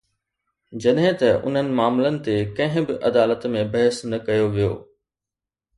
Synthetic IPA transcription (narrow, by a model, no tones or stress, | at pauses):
d͡ʑɐɗɦɪ̃t̪ɐʔʊ̰n̤ənɪ̆maːmlənɪ̆t̪ekɐ̃ɦɪ̃bɪʔɐd̪aːlət̪mẽbɐɦəsnɐkɐjoʋijo̰ː